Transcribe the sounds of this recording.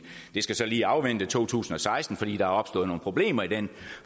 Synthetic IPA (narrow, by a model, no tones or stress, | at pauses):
d̥e̝sɡ̥æsɒ̽liːɑ̈ʊʋen̰d̥ət͡sʰo̝̰ːt͡sʰṵːsn̩ɒ̽sɑ̈ɪsd̥n̩fɒ̽d̥ḭːd̥ɑ̈hɑ̈ɒ̽b̥sd̥ɔ̰ð̩ˠno̝ːn̩pʰʁob̥le̝̰ːmɐid̥en